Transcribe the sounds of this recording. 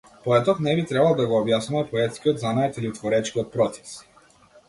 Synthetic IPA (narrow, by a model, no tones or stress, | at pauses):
pɔɛt̪ɔknɛbit̪ɾɛbalˠd̪aɡɔːbjasumɛpɔɛt̪skʲiɔd̪zanajt̪ilit̪vɔɾɛt͡ʃkiɔt̪̚pɾɔt̪sɛ̥s